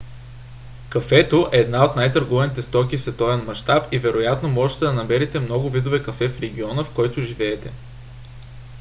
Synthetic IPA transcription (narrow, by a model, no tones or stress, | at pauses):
kɐfɛt̪oʔɛːd̪naot̪najt̪əɾɡovɐnit̪ɛst̪ɔkʲifsvɛt̪ɔvɛnmɐʃt̪apivɛɾojat̪nomɔʒɛt̪ɛd̪ɐnɐmɛɾit̪ɛmnɔɡʊvid̪ovɛkɐfɛfɾɛɡ̟ʲiɔnəfkɔjt̪ʊʒivɛːt̪ɛ